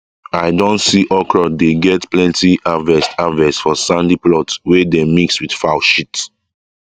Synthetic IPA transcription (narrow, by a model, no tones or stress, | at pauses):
aɪdõntsiʔɔkɹɔdeɡɛtplɛ̃ntiʔavɛstavɛsfɔsãndiplɔtwɛdemikswid̥faʊʃit